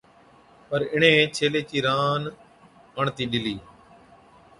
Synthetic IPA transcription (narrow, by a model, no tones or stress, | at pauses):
pəɾɪɳ̤ẽːt͡ʃʰeːleːt͡ʃiːɾaːn | kəɳt̪iːɗɪliː